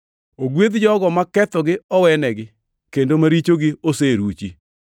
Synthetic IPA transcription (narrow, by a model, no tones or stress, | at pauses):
oɡwed̪d͡ʒɔɡɔmakɛt̪ɔɡɪɔwɛnɛɡɪ | kendomaɾit͡ʃoɡɪoseɾut͡ʃi